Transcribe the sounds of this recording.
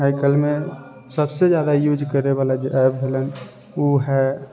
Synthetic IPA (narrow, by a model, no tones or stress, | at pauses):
ɦaɪkəlme | səbsed͡ʒjad̪ajuːd͡ʒkəɾeβalad͡ʒeʔɛp̚bʱelən | oɦɛ